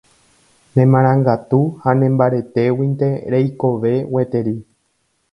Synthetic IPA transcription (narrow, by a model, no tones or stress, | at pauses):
nẽ̞mãɾ̃ãŋɡat̪uhanẽmbaɾe̞t̪e̞wint̪e̞ɾejko̞ʋe̞we̞t̪e̞ɾi